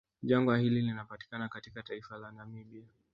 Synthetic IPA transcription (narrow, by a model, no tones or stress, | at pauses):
ʄaŋɡahililinapati̥kanakatikataifalanamiɓia